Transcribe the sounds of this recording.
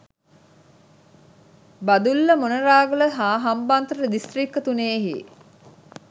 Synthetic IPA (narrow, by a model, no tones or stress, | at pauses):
bɐd̪ulːəmonəɾaːɡələɦaːɦɐmbant̪əɾəd̪ist̪rikːət̪uneːɦḭ